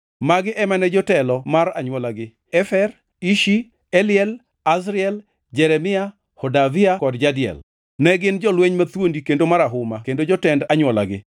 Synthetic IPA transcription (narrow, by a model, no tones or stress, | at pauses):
maɡɪʔɛmanɛd͡ʒɔtɛlɔmaraɲwɔlaɡɪ | ɛfɛr | iʃi | ɛlɪɛl | as̬ɾɪɛl | d͡ʒɛɾɛmɪa | hɔdavɪakɔdd͡ʒadɪjɛ̰l | nɛɡɪnd͡ʒɔlweɲmat̪wondikendomaɾaɦʊmakendod͡ʒɔtɛndaɲwɔla̰ɡɪ̰